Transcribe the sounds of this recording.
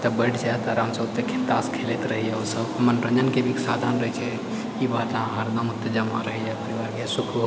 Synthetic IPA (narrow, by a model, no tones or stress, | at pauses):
t̪əbəʈd͡ʒat̪aɾamsəbt̪ekʰet̪askʰelet̪ɾəɦijausəbmənpənd͡ʒənkebʱiksad̪ʱanɾəɦɛt͡ʃʰɛ | ibaʈ̪ãɦəɾd̪əmut̪ːed͡ʒəmaɾəɦɛjapəɾiʋaɾkesukʰb